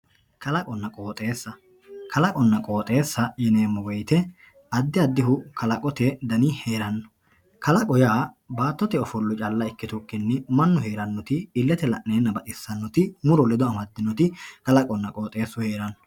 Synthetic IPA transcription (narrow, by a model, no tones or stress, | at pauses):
kʰɐlɐkʼɔnːɐkʼo̞ːt̪ʼe̞ːsːɐ | kʰɐlɐkʼɔnːɐkʼo̞ːt̪ʼe̞ːsːɐjɛneːmːɔɡɔjt̪ɛ | ɐd̪ːɪɐd̪ːɪɦʊkʰɐlɐkʼɔt̪ɛd̪ɐnɪheːɾɐnːɔ̥ | kʰɐlɐkʼɔjaː | baːt̪ːɔt̪ɛɔfɔlːʊt͡ʃʼɐlːɐɪkːɪt̪ʊkʼːɪnːɛmɐnːʊɦe̞ːɾɐnːɔt̪ɪːlːɛt̪ɛlɐ̰ʔneːnːɐbɐt̪ʼɪsːɐnːɔt̪ɪmʊɾɔlɛd̪ɔɐmɐd̪ːɪnːɔt̪ɪkɐlɐkʼɔnːɐkʼo̞ːt̪ʼe̞ːsːʊheːɾɐnːɔ̥